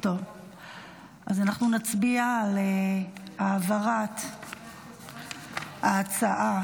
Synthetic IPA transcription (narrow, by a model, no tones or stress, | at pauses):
tov | ʔazanaχnunat͡sbialeaːvaʁat | aːt͡saʔa